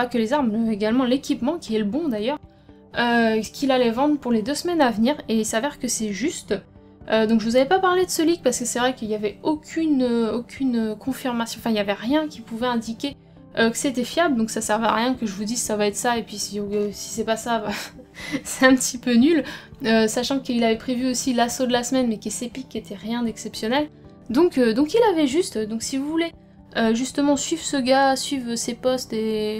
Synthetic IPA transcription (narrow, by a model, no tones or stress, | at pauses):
akəlezaʁbʁøeɡalmɑ̃lekʲipmɑ̃kʲiɛləbɔ̃d̪ajœʁ | økʲʰilalɛvɑ̃d̪ʁəpuʁled̪øsmɛnavniʁeilsavɛʁkəsɛʒyst̪ | ød̪ɔ̃kʒəvuzavɛpapaʁled̪əsəlik̚paʁsə̥kəsɛvʁɛkəiljavɛokʲʰynøokʲʰynøkʰɔ̃fiʁmasjɔ̃ɑfɛ̃iljavɛʁjɛ̃kʲʰipuvɛɛ̃d̪ikʲe | økə̥set̪ɛfjabld̪ɔ̃ksasɛʁva̰ʁjɛ̃kəʒəvud̪izsavaɛt̪saepɥisĩsi̥sɛpasava | sɛt̪ɛ̃pət̪ʰipønyløsaʃɑ̃kəilavɛpχevyosilasod̪əlasmɛnmɛkʲɛsepikʲːet̪ɛʁjɛ̃d̪ɛksɛpsjɔnɛl | d̪ɔ̃kød̪ɔ̃kilavɛʒyst̪d̪ɔ̃ksivuvule | øʒyst̪əmɑ̃sɥivʁsəɡasɥivʁøsepɔst̪e